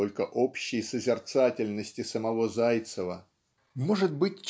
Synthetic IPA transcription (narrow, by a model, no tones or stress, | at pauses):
olʲkəʔo̞pɕːɪjsəzʲɪrt̪satʲɪlʲnəsʲtʲɪsəmɐvo̞zajt̪səvə | moʐɨt̪̚bɨtʲt͡ɕ